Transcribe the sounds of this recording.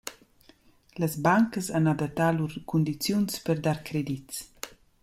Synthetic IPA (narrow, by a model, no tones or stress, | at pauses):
ləzbaŋkəsanad̪at̪aluɾkund̪it͡sjunspəɾd̪aɾkɾɛd̪its